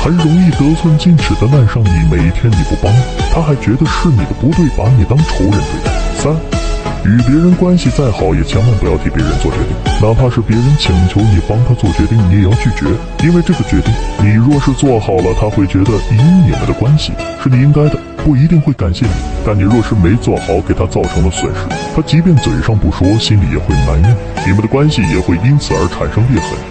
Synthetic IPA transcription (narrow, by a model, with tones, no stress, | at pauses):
xʂɻʊ˧˥ŋi˥˧t̪ɤ˥t͡sʰwə˥˧nt͡ɕi˥˧nʈ͡ʂʰɻ̩˨˩d̪ə˧na˥˧nʂɑ˥˩ŋni˨˩˥me˨˩ɪi˥˩t̪ʰjɛ˥nni˨˩pu˥˩pɑ˥ŋ˩t̪ʰa˥xa˧˥ɪt͡ɕɥɛ˧˥d̪ə˧ʂɻ̩˥˩ni˨˩d̪ə˦pu˧˥t̪we˥˩ɪpa˧˥ni˨˩t̪ɑ˥ŋʈ͡ʂʰo˧˥ʊɻə˧˥nʈ͡ʂḛ˥t̪a̰˥˩sa˥ny˨˩p̬jɛ˧˥ɻə˧˥nkwa˥nɕi˨t͡sa˥˩ɪxɑ˨˩˥ʊjɛ˨˩t͡ɕʰjɑ˥ŋma˥˧ŋpu˧˥jɑ˥˩ʊt̪ʰi˧˥˩pjɛ˧˥ɻə˧˥nt͡swɔ˥˩t͡ɕɛ̰˥˧˥t̪ḭ˥˩ŋna˥˧˩pʰa˥˧ʂɻ̩˥˩pjɛ˧˥ɻə˧˥nt͡ɕʰi˨˩ŋt͡ɕʰjo˧˥ʊni˨˩pɑ˥ŋt̪ʰa˥t͡swɔ˥˩t͡ɕɥɛ˧˥t̪i˥˩ŋŋjɛ˥˧˩jɑ˥˧ʊt͡ɕʰy˥˩t͡ɕɥɛ̰˧˥ | i˥nwe˥˧ɪʈ͡ʂɤ˥˩ɡə˩t͡ɕɥɛ˧˥t̪i˥˩ŋni˨˩ɻwɔ˥˧ʂɻ̩˥˧t͡swɔ˥˩xɑ˨˩ʊlə˦t̪ʰa˥xwe˥˩ɪt͡ɕɥɛ˧˥d̪ə˧i˧˥ni˨˩mə̰˦nd̪ə˨kwa˥nɕḭ˨ʂɻ̩˥˧˩ni˨˩i˥ŋka˥ɪd̪ə˨ | pu˥˩i˧˥t̪̬i˥˧ŋxwe˥˩ɪka˨˩nɕjɛ˥˩nḭ˨˩˦t̪a˥˩nni˨˩ɻwɔ˥˧ʂɻ̩˥˩me˧˥ɪt͡swɔ˥˩xɑ˨˩˥ʊke˨˩ɪt̪ʰa˥t͡sɑ˥˩ʊʈ͡ʂʰɤ˧˥ŋd̪ə˧swə̰˨˩nʂɻ̩˥t̪ʰa˥t͡ɕi˧˥p̬jɛ˥˩nt͡swe˨˩ɪʂɑ˥˧ŋpu˥˩ʂwɔ˥ɕi˥nlḭ˨˥jɛ̰˨˩xwe˥˩ɪna˧˥ni˥˩ | ni˨˩mə˦nd̪ə˧kwa˥nɕi˨jɛ̰˨˩xwe˥˩ɪi˥nt͡sʰɹ̩˨˩ə˞˧˥ʈ͡ʂʰa˨˩nʂɤ˥ŋli˥˩fwə̰˧˥˦n